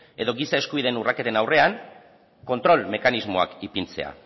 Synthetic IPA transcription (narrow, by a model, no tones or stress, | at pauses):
e̞ðo̞ɣisae̞skuβiðe̞nurake̞t̪e̞nawre̞aŋ | ko̞nt̪ɾo̞lme̞kanizmo̞a̰kipint͡se̞̰a̰